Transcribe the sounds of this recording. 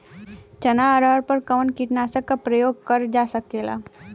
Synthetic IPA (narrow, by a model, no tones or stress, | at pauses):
t͡ɕənaəɾəɾpəɾkəʋəɳkiʈnasəkːapɾəjoɡ̚kəɾd͡zasəkːela̰